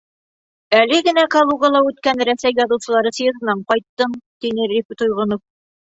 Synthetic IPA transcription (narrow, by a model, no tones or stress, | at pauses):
ælɘɡɘ̆nækɐlˠuɡɑlˠɑʉt̪kænɾæsæjːɑðɤ̆wsɤ̆lˠɑɾɤsjɤ̆zɤ̆nɑɴqɒjt̪ːɤmt̪inɘɾʲipʲt̪ujʁɤ̆nof